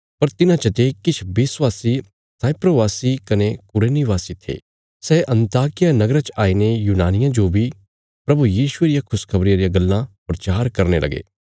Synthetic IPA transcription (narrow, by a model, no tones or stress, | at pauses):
pɐɾt̪ɪnãt͡ʃɐt̪ekɪt͡ʃʰbɪswaːsi | saːɪpɾoʋaːsikɐnekʊɾeːniʋaːsit̪ʰḛː | sɛːʔɐ̃nt̪aːkɪjanɐɡɾat͡ʃaːinejuːnaːnɪjãd͡ʒoːbʱi | pɾɐbujiːʃueːɾɪjakʰʊskʰɐbɾɪjãɾijaɡɐlːãpɾɐt͡ʃaːɾkɐɾnelɐ̰ɡḛː